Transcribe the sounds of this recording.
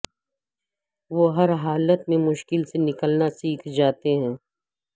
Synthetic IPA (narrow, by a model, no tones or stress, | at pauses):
ʋoːɦɐɾɦaːlət̪mẽmʊʃkɪlsenɪkəlnasiːkʰd͡ʒaːt̪eɦɛ̃ː